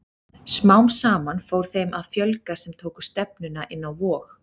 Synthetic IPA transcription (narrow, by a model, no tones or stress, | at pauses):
smawmsaːmanfoːwɾ̥θejmʔaðfjœlkasɛmt̪ʰoːwkʏ̥st̪ɛp̚nʏnaʔɪnːawvɔːx